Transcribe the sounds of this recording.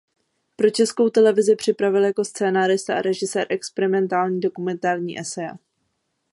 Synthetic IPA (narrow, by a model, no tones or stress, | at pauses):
pɾo̞t͡ʃɛsko̞wt̪ɛlɛvɪzɪpr̝̥ɪpɾavɪljako̞st͡sɛːnaːɾɪst̪aʔaɾɛʒɪsɛːɾʔɛkspɛɾɪmɛnt̪aːlɲiːdo̞kumɛnt̪aːɾɲḭːʔɛsɛja